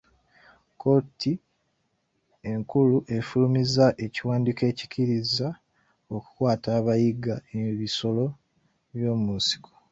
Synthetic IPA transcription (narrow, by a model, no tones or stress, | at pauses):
koti | e̞ŋkuluʔe̞fulumizaʔe̞ciwaːndike̞ːci̥ciɾiza | oku̥kwaːtaːβajiɡaeβiso̞lo̞ | βjo̞ːmunsi̥ko̥